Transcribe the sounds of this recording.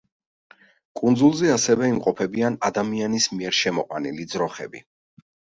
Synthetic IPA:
kʼund̪zulˠzɛasɛvɛimqʼɔpʰɛbianad̪amianismiɛɾʃɛmɔqʼwa̰nilid̪zɾɔχɛ̰bi

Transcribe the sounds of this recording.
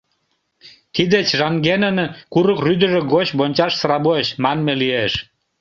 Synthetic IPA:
t̪id̪et͡ɕʒɑŋɡenə̆nkuɾɤkryd̪ə̆ʒĕɡot͡ɕbonʲt͡ɕɑʃsɾɑboeɕmɑnmelieʃ

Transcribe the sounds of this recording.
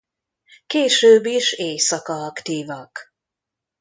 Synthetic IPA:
keːʃøːbːiʃeːsɒkɒɒkt̪iːvɒk

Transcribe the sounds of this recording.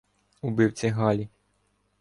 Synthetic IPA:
ubɪwt͡sʲɛɦɑlʲi

